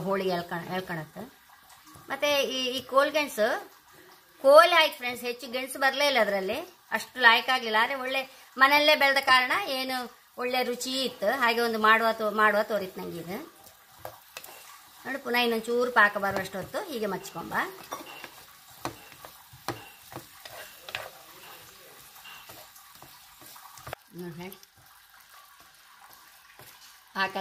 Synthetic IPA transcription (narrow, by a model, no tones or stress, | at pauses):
ɦoːɭiɡɭkɐɳɦeːɭkɐɳɐt̪ːu | mʔɐt̪ːeiːiːkoːlɡeɳsu | koːlaːjkpʰɾeɳsɦe̞t͡ʃːuɡeɳsbɐɾleilːɐːd̪ɐɾɐlːi | ɐʂʈulaːjkaːɡlilːaːnd̪ɾeoɭːe | mɐnelːebɛɭɐd̪ɐkaːɾɐɳɐeːnu | oɭːe̞ɾut͡ʃiit̪ːuɦaːɡe̞ond̪umaːɽuʋat̪omaːɽuʋat̪oːɾit̪ːnɐŋɡiːd̪u | noːɽipunaːinːond̪t͡ʃuːɾupaːkɐbaːɾuɐʂʈot̪ːuɦiːɡemɐt͡ʃːi̥ko̰mbaː | nuɦeːɽi | aːk